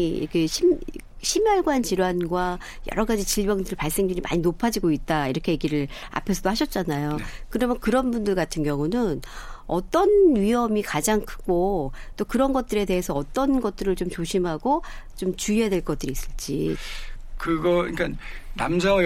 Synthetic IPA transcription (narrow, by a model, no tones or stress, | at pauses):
ḭɾkʰe̞ɕʰim | ɕʰimjʌɭɡwant͡ɕiɾwanɡwa | jʌ̰ɾʌɡad͡ʑit͡ɕiɭbʌŋdɯɾɯɭpaɭs͈e̞ŋdɯɾima̰ɲinopʰad͡ʑiɡoit̚t͈aiɾʌkʰe̞je̞ɡiɾɯɭ | a̰pʰesʰʌdohaɕʰʌt̚t͡ɕ͈anajokɯɾʌmjʌnkɯɾʌnbundɯɭɡatʰɯnɡjʌŋunɯnʌ̰t͈ʌnɥiɦʌmikad͡ʑaŋkʰɯ̥ɡot͈okɯɾʌnɡʌt̚t͈ɯɾe̞de̞ɦe̞sʰʌʌt͈ʌnɡʌt̚t͈ɯɾɯɭt͡ɕomt͡ɕoɕʰimɦaɡot͡ɕomt͡ɕuiɦadwe̞ɭk͈ʌt͈̚ɯɾiːs͈ɯɭt͡ɕ͈ḭ | kɯɡʌiɲk͈annamd͡ʑʰʌ